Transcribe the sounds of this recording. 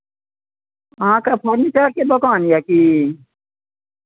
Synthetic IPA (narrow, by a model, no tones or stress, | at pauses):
ãːkaːpʰəɾnit͡ʃaːɾked̪okaːnjakiː